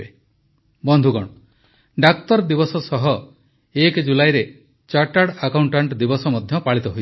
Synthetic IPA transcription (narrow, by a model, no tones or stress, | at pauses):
e | bɔnd̪ʱuɡɔɽ̃ɔ | ɖak̚t̪ɔɾd̪ibɔsɔsɔɦɔ | ekd͡ʒulajɾe | t͡ʃaʈaɽakawɳʈaɳʈd̪ibɔsɔmɔd̪ʱjɔpaɭit̪ɔɦoj